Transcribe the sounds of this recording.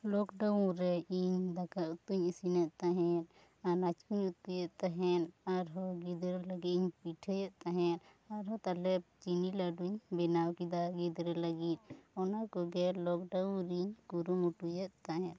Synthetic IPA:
lɔkɖaũɾɛiɲd̪akaut̪uɲisinɛʔ̪t̪aɦɛn | aɾnat͡ʃkuɲut̪ujɛʔ̪t̪aɦɛnaɾɦɔɡid̪ɾɛlaɡit̪iɲpiʈʰɛjɛʔ̪̚t̪aɦɛn | aɾɦɔt̪alɛp̚t͡ʃinilaɖuɲbɛnawkid̪aɡid̪ɾɛlaɡit̪̚ˀɔnakɔɡɛlɔkɖaw̃ɾiɲkuɾumuʈujɛt̪̚t̪aɦɛ̃n

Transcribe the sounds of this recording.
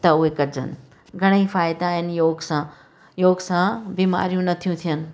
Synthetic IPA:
t̪ɐʊɦekɐɾɪd͡ʑə̰nɪ̆ | ɡʱɐɽ̃əifaːɪd̪aɦɪnjoːɡsã | joːɡsãbima̰ːɾijũnɐt̪ʰijũt̪ʰijənɪ̆

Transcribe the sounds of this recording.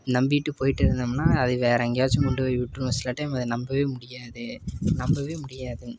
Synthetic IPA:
nɐmbɪʈːɯpoːjɪʈːɪɾɯnd̪amnːaːɐðɯʋeːɾɐŋɡjaːt͡ʃːɯkɔɳɖɯʋɐʋɪʈːɾɯsɪlːɐʈːɐjmɐðɯnɐmbɐʋeːmʊɽɪjaːðɯnɐmbɐʋeːmʊɽɪjaːðɯ

